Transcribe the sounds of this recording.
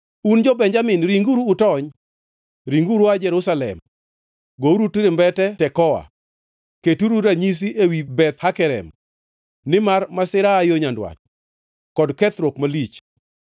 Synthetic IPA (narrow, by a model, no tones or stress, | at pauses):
und͡ʒɔbɛɲd͡ʒamɪnɾiŋɡuɾuːtɔɲ | ɾiŋɡuɾuad͡ʒɛɾʊsalɛ̰m | ɡouɾutiɾɪmbɛtɛtɛkɔwa̰ | ketuɾuɾaɲis̬iʔewibɛt̪hakɛɾɛ̰m | nɪmarmasɪɾaːjoɲandwa̰t̚ | kɔdkɛt̪ɾokmalit͡ʃ